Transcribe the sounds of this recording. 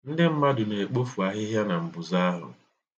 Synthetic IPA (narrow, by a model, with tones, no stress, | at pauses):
n̩˦dɪ˦m̩˦ma˦dʊ˨ne˨e˨k͡po˦fu˨a˨ɦɪ˦ɦja˦na˨m̩˨bʊ˨za˦a˦ɦʊ̰˨